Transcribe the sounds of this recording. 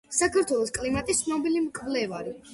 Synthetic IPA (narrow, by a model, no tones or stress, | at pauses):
sakʰaɾt̪ʰwɛlˠɔskʼlimat̪ʼist̪snɔbilimkʰvlɛvaɾi